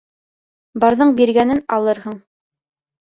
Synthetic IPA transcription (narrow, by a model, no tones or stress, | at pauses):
bɑɾðɤɴbiɾɡænɘnɑlˠɤɾɦɤɴ